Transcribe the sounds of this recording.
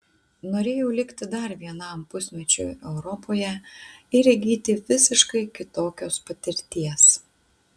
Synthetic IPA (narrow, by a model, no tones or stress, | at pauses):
noːɾʲeːjɛʊlʲɪkʲt̪ʲɪd̪ɐɾʋʲiɛnɐˑmpʊsʲmʲɛt͡ʃʲʊ̰ːɛʊɾɔpoːjɛɪɾʲɛɡʲiːt̪ʲɪʋʲɪsʲɪʃkɐɪkʲɪt̪oːkʲoːspɐt̪ʲɪɾʲt̪ʲiɛs